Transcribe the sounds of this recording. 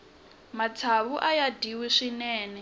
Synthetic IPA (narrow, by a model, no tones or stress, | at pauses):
mat͡sʰaβuʔajadiwiʂinɛːnɛ